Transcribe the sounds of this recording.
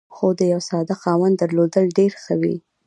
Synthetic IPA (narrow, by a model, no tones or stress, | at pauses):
xod̪əjawsɑd̪axɑwand̪əɾlod̪əlɖeɾxəwḭ